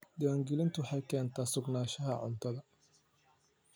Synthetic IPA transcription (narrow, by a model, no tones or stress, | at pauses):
d̪ɪwaːŋɡɪlɪnt̪ʰʊwħɑjkʰɛːnt̪ʰaːsʊɡnaːʃɐɦɐʕʊ̰nt̪ʰɐðɐ